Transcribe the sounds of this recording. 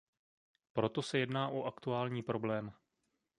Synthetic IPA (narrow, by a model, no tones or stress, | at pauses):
pɾo̞t̪o̞sɛjɛdnaːʔoʔakt̪uaːlɲiːpɾo̞blɛːm